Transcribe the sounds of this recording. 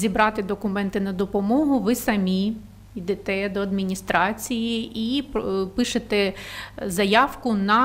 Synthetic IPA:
zʲibɾɑt̪ɪd̪ɔkʊmɛnt̪ɪnɐd̪ɔpɔmɔɦʊʋɪsɐmʲi | id̪ɛt̪ɛd̪ɔɐd̪mʲinʲist̪ɾɑt͡sʲijiippɪʃet̪ɛzɐjɑwkʊnɐ

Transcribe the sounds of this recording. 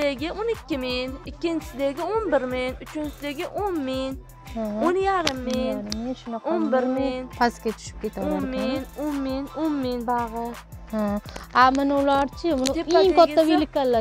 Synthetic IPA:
eɡʲɪonɪkʲːɪmɪnɪkʲːɪnt͡ʃʰɪ̥sɪd̪eɡʲɪonbɪɾmɪnʊt͡ʃʰɪnt͡ʃɪsɪd̪eɡʲɪʔonmɪn | hãonjaɾɪmːɪjnaɾɪmːeʃʊnɑqʰonbɪɾmɪnpʰaskʲat͡ʃʰʊ̥ʃɪ̥p̚kʲet̪ʰanɾmɪnonmɪnonmɪnbaʁɨ | hãamɪnʊlaɾt͡ʃʰɪmʊneŋkʰɔt̪ːabilɪkʲːalːa

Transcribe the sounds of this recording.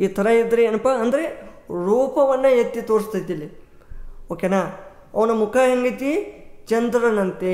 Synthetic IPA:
iːt̪ʰɐɾɐid̪ɐɾeeːnɐpaɐnd̪ɐɾe | ɾuːpɐʋɐnːɐjɐt̪ːit̪oːɾist̪ɐjt̪ilːi | oːkenaː | ɐʋɐnɐmukʰaːɦɐŋɡɐt̪it͡ʃɐnd̪ɾɐnɐnt̪e

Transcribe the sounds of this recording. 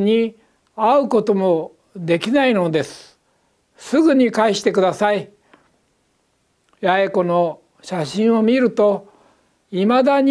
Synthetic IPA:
ɲ̟i | aɯ̟ko̞t̪o̞mo̞ | d̪e̞kʲinaino̞d̪e̞sɨ̥ | sɨɡɯ̟ɲ̟ikaiɕi̥t̪e̞kɯ̟d̪asai | jaiko̞no̞ | ɕaɕĩɰ̃o̞mʲiɾɯ̟t̪o̞ | imad̪aɲ

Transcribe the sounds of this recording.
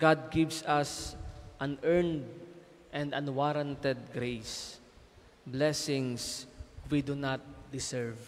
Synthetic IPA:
ɡ̥ad̪̚ɡɪvsɐsʔãnɛɹnd̪ | ʔɛ̃nd̪ãnwaɾãnt̪ɛd̪̚ɡɾejs | blɛsɪ̃ŋswid̪unat̪̚d̪ɪsɛɹv

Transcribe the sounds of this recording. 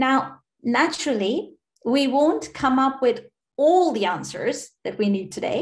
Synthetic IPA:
naʊ | næt͡ʃɹl̩ˠi | wiwõʊ̃nkʰʌ̃mʌpʰwɪð | ɔlˠðiæ̃nsə̰˞z̥ðɨt̚winid̚tʰɨdḛɪ

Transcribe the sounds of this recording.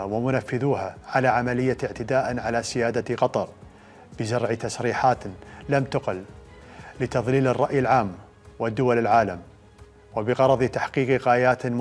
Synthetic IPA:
wɪmʊnafːɪðuːɦaʕalaʕamalɪjːaɪʕt̪ɪd̪aːʔʕalasɪjaːd̪aqɑt̪ˤɑɾˤ | b̥ɪzaɾˤʕit̪asɾiːħaːt̪lamt̪ʊqɪl | lɪt̪ɑðˤliːlɪrˤːɑʔjɪlʕaːm | wɪd̪ːʊwalɪlʕaːlam | wɪbɪɣɑɾˤɑðˤit̪aħqiːqiɣaːjaːt̪m

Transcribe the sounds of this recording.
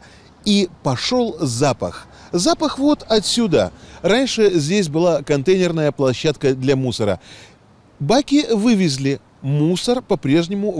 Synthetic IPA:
ipɐʂolˠzapə̰x | zapəxvo̞t̪ɐt̪sʲud̪əranʲʂɨzʲdʲes̬ʲbɨlˠakɐnt̪ejnʲɪrnəjəplˠɐɕːat̪kəd̪lʲɐmusəɾə̰ | bakʲɪvɨvʲɪzʲlʲɪ | musərpɐpɾʲe̞ʐnʲɪmʊ

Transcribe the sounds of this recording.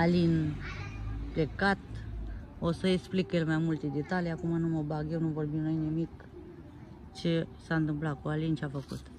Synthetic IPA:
alin | ple̞kat̪ | osəeksplikjelmajmult̪ed̪e̞t̪alijakumanuməbaɡjewnuvo̞rbimnojnimik | t͡ʃe̞saɨnt̪ɨmplat̪̚kualint͡ʃeafəkṵt̪

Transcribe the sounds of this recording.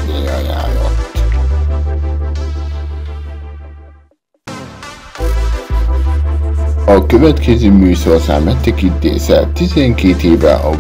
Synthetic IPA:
d̪ejaja̰ːlɒ̰t̪ː | ɒkøvɛt̪kɛzøːmyːsɒɒsa̰ːmmɛt̪ːɛkint̪ːḛːsɛt̪izɛŋkeːt̪eːvɛ̰ʔɒ

